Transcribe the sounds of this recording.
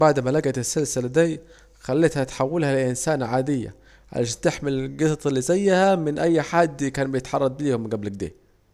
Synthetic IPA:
baʕd̪mælæɡæt̪ɪsːalsɪlad̪i | xælːɪt̪hæt̪ħawːɪlhælɪlʔɪnsaːnʕaːd̪ɪjːa̰ | ʕa̰lʔaʃæːnt̪ɪħmɪlɡɪt̪t̪ˤlːizæjːhæmɪnʔæjːħad̪ːkæːnbɪjɪt̪ħɑrˤːɑd̪̚ˤbiːhʊmɪɡæblɪɡ̚d̪ḛː

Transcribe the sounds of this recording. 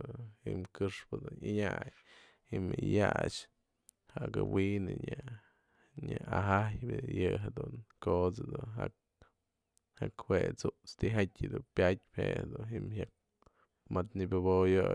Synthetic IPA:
himkɨʂpɨd̪uniɲaj | himɨjat͡ʃ | haʔkɨwinɨɲa | ɲʲaaɦajbʲɨjɨɦed̪unkot͡sad̪unɦa | hakhwet͡sut͡st̪iɦatʲɨd̪upʲjat̚ʲphehad̪unɦimhak̚ | mat̪nibʲobojo

